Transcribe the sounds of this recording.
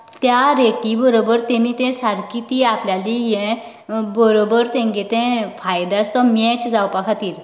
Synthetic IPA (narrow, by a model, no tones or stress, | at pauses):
t̪jaɾeʈibəɾobəɾt̪ẽmiːt̪ɛ̃saɾkit̪iːapljalijɛ̃ | bəɾobəɾt̪ɛ̃ŋɡet̪ɛ̃fajd̪ast̪ɔmɛt͡ɕd͡zawpakʰat̪iːɾ